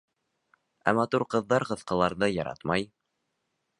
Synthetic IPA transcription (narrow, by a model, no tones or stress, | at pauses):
æ̰mɑt̪uɾqɤ̆ðːɑɾqɤ̆θqɤ̆lˠɑɾðɤjɑɾɑ̰t̪mɑj